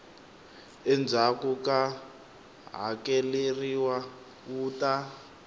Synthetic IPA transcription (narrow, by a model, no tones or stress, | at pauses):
ɛnd͡zʱakuka | ɦa̰keleriwa | uːta